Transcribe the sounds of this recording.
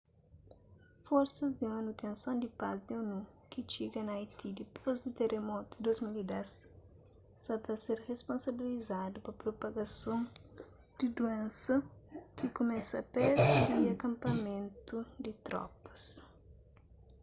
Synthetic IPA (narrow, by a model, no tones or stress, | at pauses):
fɔɾsɐzd̪imɐnut̪ʰẽnsõnd̪ipazd̪ionu | kit͡ʃiɡɐnɐajt̪id̪ipʰozd̪it̪eɾemɔt̪u̥d̪ozmilid̪ɛsː | ɐt̪ɐseɾʁespõnsɐbilizad̪upɐpɾopɐɡɐsõŋ | d̪̥id̪uɛ̃nsɐkikumɛsɐpɛzuiɐkɐ̃mpɐmẽnt̪ud̪it̪ɾɔ̰pɐ̥s